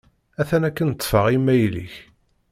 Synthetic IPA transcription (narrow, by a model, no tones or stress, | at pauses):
æθænækːənət̪ˤːfəʁimːæjlḭç